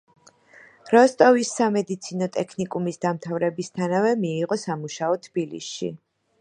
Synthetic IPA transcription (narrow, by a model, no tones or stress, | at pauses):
ɾɔst̪ʼɔvisːamɛd̪it̪sʰinɔt̪ʼɛkʰnikʼumisd̪amt̪ʰavɾɛbist̪ʰanavɛmiːʁɔsamuʃaɔt̪ʰb̥ilḭsʃḭ